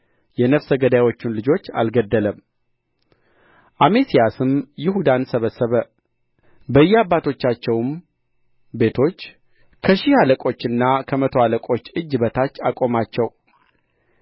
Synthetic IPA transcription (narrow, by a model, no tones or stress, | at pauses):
jɛnəfsəɡəd̪awo̞t͡ʃːunlɨd͡ʒo̞t͡ʃːa̰lɡəd̪ːələm | ʔamesijasɨmjɪɦud̪ansəβəsːəβə | bəɨjːɛabːat̪ʰo̞t͡ʃːat͡ʃːɛwm | be̞t̪ʰo̞t͡ʃː | kʰəʃɪhaləkʼo̞t͡ʃːɨnːakʰəmət̪ʰoaləkʼo̞t͡ʃːɨd͡ʒːbət̪ʰat͡ʃːakʼo̞mat͡ʃːɛw